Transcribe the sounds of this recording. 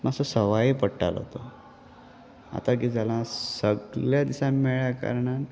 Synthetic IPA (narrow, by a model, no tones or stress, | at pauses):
masəsəʋaipəɽʈa̰l̰ɦo̰t̪o | a̰t̪ak̬iːd͡zalãsəɡljad̪isamɛɭjaka̰ɾɳan